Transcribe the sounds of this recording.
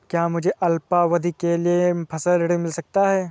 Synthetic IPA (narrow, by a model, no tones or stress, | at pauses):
kjaːmʊd͡ʒʱeʔɐlpaʋɐd̪ʱikeliepʰɐsəlɪɽimɪlsɐk̚t̪aɦɛː